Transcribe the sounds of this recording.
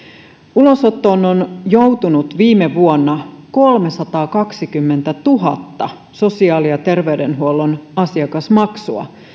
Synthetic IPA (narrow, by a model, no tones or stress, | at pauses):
ulo̞sot̪ːo̞ːnonjo̞wt̪unut̪ʋiːmeʋuonːɑko̞lme̞sɑt̪ɑːkɑksikymːent̪æt̪uɦɑt̪ːɑ | so̞siɑːlijɑt̪e̞rʋe̞ydenɦuolːonɑsiɑkɑsmɑksuɑ̰